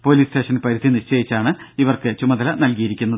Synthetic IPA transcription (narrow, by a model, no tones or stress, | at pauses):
po̞ːliːste̞ːʂɐnpɐɾud̪ʱiniʂt͡ɕejit͡ɕːaːɳɨiʋɐrkɨt͡ɕumɐðɐlɐnɐlkijiɾikʲːunːɐðɨ